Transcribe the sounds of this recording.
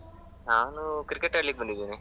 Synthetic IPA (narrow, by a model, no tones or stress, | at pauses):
naːnukɾikːeʈːaːɽlik̚ːbɐnd̪id̪ːiːni